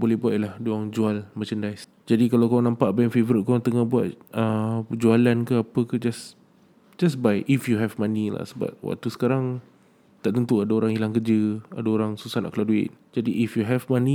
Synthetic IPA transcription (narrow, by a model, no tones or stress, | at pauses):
bolɛhbuat̪lahdoaŋd͡ʒualmət͡ʃəndajs | d͡ʒadikalawkawanãmpaʔbajɛnfevəɾɪt̪̚kaaŋt̪əŋahbuat̪̚əpəd͡ʒualankaapəkad͡ʒas | d͡ʒasbajʔifjuɦɛvmãnĩla̰səba̰t̪̚wa̰k̚t̪usə̥kaɾaŋ | t̪aʔt̪ənt̪uadaoɾaŋilaŋkəd͡ʒəa̰daoɾaŋsusahna̰ʔkəladuɪ̰t̪̚d͡ʒadiʔifjuɦɛvmãnĩ